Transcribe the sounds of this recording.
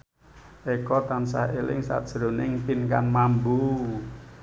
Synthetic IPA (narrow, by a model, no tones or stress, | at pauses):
ʔekɔt̪ansa̰ɦelɪ̰ŋsa̰tʒ̥ɾo̤nɪŋpinkanmambu